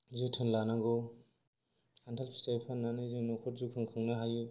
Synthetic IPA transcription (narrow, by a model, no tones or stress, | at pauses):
zɯtʰɯnlanaɡɔ | antʰalpʰi̥stajpʰanːanizɯnɔkʰɔɾzukʰɯŋkʰɯŋnaɦaju